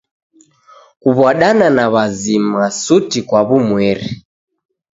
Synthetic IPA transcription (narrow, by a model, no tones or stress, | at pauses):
kuβaɗananaβazimasutikwaβumwɛɾɛ